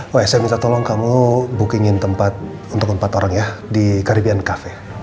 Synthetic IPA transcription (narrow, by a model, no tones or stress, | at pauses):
wɛsajamint̪at̪ɔlɔŋkamubukiŋɪnt̪əmpat̪̚ | unt̪ʊk̚əmpat̪oɾaŋjadikaɾibiankafɛ